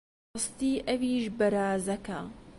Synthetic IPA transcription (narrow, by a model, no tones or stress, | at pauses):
st̪iːʔɐviːʃbɐɾaːzɐkɐ